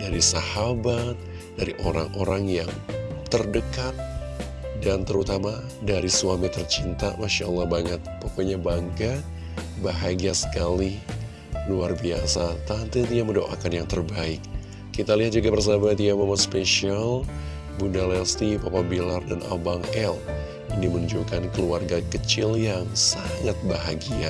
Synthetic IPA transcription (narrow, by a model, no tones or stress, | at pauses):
daɾisahabat̪̚ | daɾiʔoɾa̰ŋʔoɾaŋjaŋt̪ərdəkat̪̚ | dant̪əɾut̪ama | daɾisuamit̪ərt͡ʃint̪amaʃaəlːahbaŋət̪̚pokoɲabaŋka | baɦaɡasə̥kali | luarbiasat̪ant̪it̪iamədoʔakanjaŋt̪ərbaɪkː | it̪aliɦat̪̚d͡ʒuɡabərs̬amat̪iamamaspeʃial | bunalɛlst̪ipɔpabilardana̰baŋɛl | inimənud͡ʒukankəluarɡakət͡ʃɪljaŋsaŋat̪̚baɦaɡia